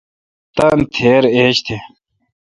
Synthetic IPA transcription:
t̪ɐnt̪ʰeːɾeːɕt̪ʰe

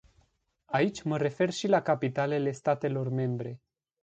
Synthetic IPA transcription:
ait͡ʃʲməɾe̞fe̞rʃilakapit̪ale̞le̞st̪at̪e̞lo̞rme̞mbɾe̞

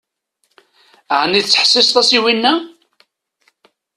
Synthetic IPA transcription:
ʕənːit͡sːə̥ħsɪst̪ˤɑsiwinːæ

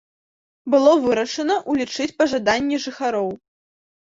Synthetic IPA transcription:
bɨlˠɔvɨɾɐʂɐnɐʔulʲit͡ʂɨt͡sʲpɐʐad̪anʲːɛʐɨxaɾɔw

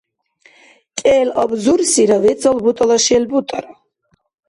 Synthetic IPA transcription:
kʼɛːlɔbzuɾsiɾavɛt̪sɔlbut̪ʼɔlaʃɛlbut̪ʼɔɾa

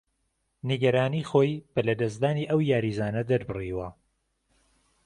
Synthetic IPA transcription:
niɡɐɾaːniːxoːjb̥ɐlɐd̪ɐs̬d̪aːniːʔɐwjaːɾiːzaːnɐd̪ɐɾbɨriːwɐ

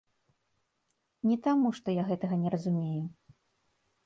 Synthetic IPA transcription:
nʲɛt̪amuʂt̪ɔjaɣɛt̪ɐɣɐnʲɛɾɐzumʲeju

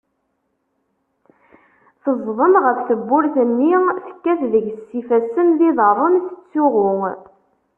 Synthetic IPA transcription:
θəzˤðˤəmʁəfθəbːʊɾθənːiθə̥kːæθðəʝsːifæsːənðiðəɾˤəmθə̥t͡sːʊʁʊ

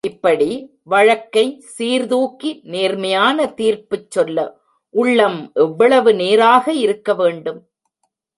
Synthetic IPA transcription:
ʔɪpːɐɽi | ʋɐɻɐkːɐɪsiːɾðuːkineːɾmɐjaːnɐt̪iːɾpɯt͡ʃːɔlːɐ | ʔʊɭːɐmʔɛʋːɐɭɐʋɯneːɾaːɣɐɪɾɯkːɐʋeːɳɖɯm

